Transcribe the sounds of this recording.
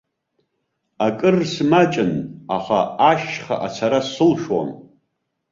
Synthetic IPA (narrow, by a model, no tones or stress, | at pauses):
akʼɨrsmat͡ʃʼɪnaχaaʃχa̰ʔat͡sʰaɾasɨlʂwa̰m